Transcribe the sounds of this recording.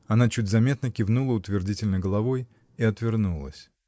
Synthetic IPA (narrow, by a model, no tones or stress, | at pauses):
ɐnat͡ɕʉt̚ʲzɐmʲe̞t̪nəkʲɪvnulˠəʊt̪vʲɪrdʲitʲɪlʲnəɡəlˠɐvoj | iɐt̪vʲɪrnulˠə̰sʲ